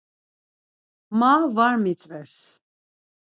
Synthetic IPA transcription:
mavaɾmit͡sʼvɛs

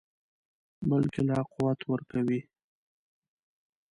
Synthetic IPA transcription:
bəlkelaqʊwat̪wəɾkawi

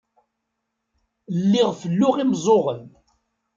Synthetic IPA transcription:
lːɪʁfəlːʊʁimzˤoʁən

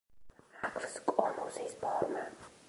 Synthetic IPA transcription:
akʰfskʼɔmuzispʰɔɾma

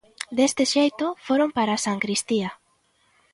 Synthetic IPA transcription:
d̪est̪eʃejt̪ofoɾompaɾasaŋkɾist̪ia

